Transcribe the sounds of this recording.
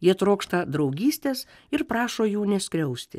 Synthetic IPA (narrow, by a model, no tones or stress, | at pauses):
jiɛt̪ɾoːkʃt̪ɐd̪ɾɒʊɡʲiːsʲt̪ʲeːs | ɪɾpɾɑːʃoːjuːnʲɛsʲkɾʲɛʊsʲt̪ʲɪ̰